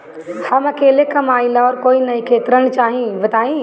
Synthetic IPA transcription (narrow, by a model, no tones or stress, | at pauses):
hɐmɐkeːlekɐmaːĩlaɔːɾkoːinɐĩkʰeːt̪ɾəɽ̃t͡ʃaːɦĩbɐd̪aːĩ